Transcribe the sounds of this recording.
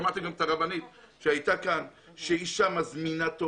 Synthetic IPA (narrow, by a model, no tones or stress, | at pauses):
mat̪eɡamet̪aʁabanit̪ | ʃeajt̪akan | ʃeiʃamazminat̪o